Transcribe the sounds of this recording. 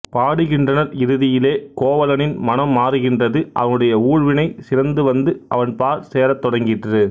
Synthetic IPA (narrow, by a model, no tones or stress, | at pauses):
paːɽɯɣɪndrɐnɐɾɪɾɯðɪjɪleːkoːʋɐlɐnɪnmɐnɐmːaːɾɯɣɪndrɐðɯʔɐ̰ʋɐnɯɽɐjɐuːɻʋɪnɐɪsɪɾɐnd̪ɯʋɐnd̪ɯɐ̰ʋɐnpaːɾseːɾɐt̪ːɔɽɐŋɡɪʈrɯ